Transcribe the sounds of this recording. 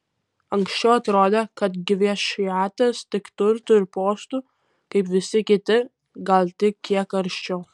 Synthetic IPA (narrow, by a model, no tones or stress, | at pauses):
ɐŋksʲt͡ʃʲɛʊɐt̪ɾoːd̪ʲekɐt̪ɡʲɪʋʲɛʃɪjæːt̪ɐst̪ʲɪkt̪ʊɾt̪ʊɪɾpoːst̪uː | kɐɪpʋʲɪsʲɪkʲɪt̪ʲɪ | ɡɐlʲˠt̪ʲɪkkʲiɛkɐɾʲʃʲt͡ʃʲɛʊ